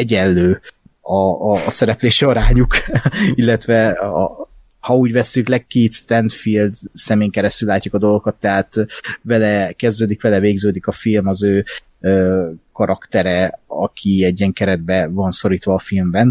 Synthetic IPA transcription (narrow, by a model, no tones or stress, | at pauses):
ɛɟɛlːøː | ɒsɛɾɛpleːʃiɒɾaːɲukilːɛt̪ʋɛ | hɒuːɟʋɛsːyklɛkkiːt̪st̪ɛnd̪fild̪sɛmeːjŋkɛɾɛst̪ylːaːcːukɒd̪o̞lˠɡokɒt̪ːɛɦaːt̪vɛlɛkɛzd̪øːd̪ikʋɛlɛveːɡzøːd̪ikɒfilmɒzøː | øːkɒɾʔɒkt̪ɛɾɛɒkʰiɛɟːiɛŋkɛɾɛd̪̚bɛvɒnso̞ɾiːt̪ʋɒːfilmbɛn